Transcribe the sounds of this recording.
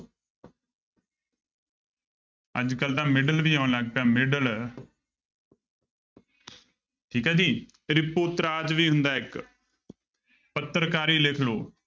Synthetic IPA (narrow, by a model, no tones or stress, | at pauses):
ə̰d͡ʒkəlt̪ãːmɪɖəlʋiːãːʊ̃nlaɡ̚pjaːmɪɖəl | ʈʰiːkaːd͡ʒ̪iː | ɾɪpoːt̪ɾaːd͡ʒʋiːɦʊ̃nd̪aːɪk | pət̪ːɾkaːɾiːlekʰloː